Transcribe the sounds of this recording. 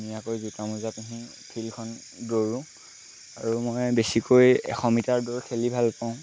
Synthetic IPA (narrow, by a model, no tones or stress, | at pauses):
mijakojzutamuzatuɦĩ | pʰilkʰɔn | doɹũ | aɹumɔjbesikojɛ̰xɔmitaɹdɔɹkʰelibʱalpaʊ̃